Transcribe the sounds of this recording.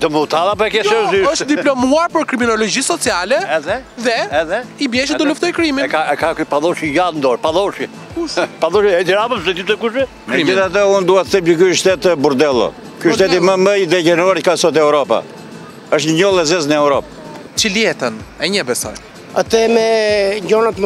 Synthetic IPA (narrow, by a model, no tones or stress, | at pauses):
d̪ɔmut̪aðapɛkɛsɛziɔʃt̪d̪iplɔmuaɾpəɾkɾiminɔlɔd͡ʒisɔt͡sialɛɛðɛðɛɛðɛibjɛʃ̬id̪ɔluft̪ɔjkɾimiɛkaɛkakpaðɔʃiɡand̪ɔɾpaðɔʃi | paðɔʃiɛd̪ɛɾapəsɛt̪isɛkuʃɛ | kmɛɾid͡ʒiθat̪̬əund̪uhɛt̪ə̥θɛmjəkuʃt̪ɛt̪buɾd̪ɛlˠɔ̰ | kuʃt̪ɛt̪iməməjðɛcɛnɔɾkasɔt̪ɛɾɔpa̰ | əʃt̪ɲəɲɔlˠɛzɛznəɛwɾɔp̚ | t͡ʃəliɛt̪ənɛɲəbɛsa̰j | at̪ɛmɛɲɟɔnat̪m